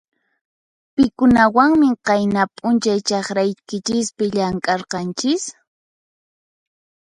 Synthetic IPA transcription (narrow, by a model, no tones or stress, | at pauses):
pɪkʊnawaŋmɪqɑjnapʼʊnt͡ʃajt͡ʃɑχɾajkɪt͡ʃɪspɪʎaŋkʼɑɾqɑnt͡ʃɪs